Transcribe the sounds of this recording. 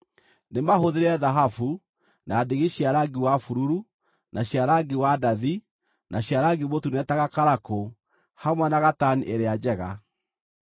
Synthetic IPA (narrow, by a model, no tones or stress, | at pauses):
nemaɦoðeɾɛðaɦafu | naːdeɣeɕjaɾaɡiwafuɾuɾu | nʔaɕiaɾaɡewadaði | naɕiaɾaɡemotunɛtaɣakaɾako | hamwɛnaɣataniʔeɾead͡ʑɛɣa